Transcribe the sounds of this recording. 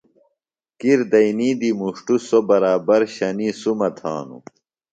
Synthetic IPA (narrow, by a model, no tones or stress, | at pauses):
kiɾd̪ɐjnid̪imuʂʈusobɐɾaːbɐɾɕɐnisumɐt̪ʰa̰ːnṵ